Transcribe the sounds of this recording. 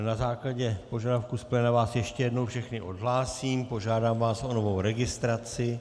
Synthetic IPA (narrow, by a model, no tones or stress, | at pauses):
nazaːklaɟɛpo̞ʒadafkuːsplɛnavaːsjɛʃcɛjɛdno̞wfʃɛxnɪʔo̞dɦlaːsiːmpo̞ʒaːdaːmvaːsʔo̞no̞vo̞wɾɛɡɪst̪ɾat͡sɪ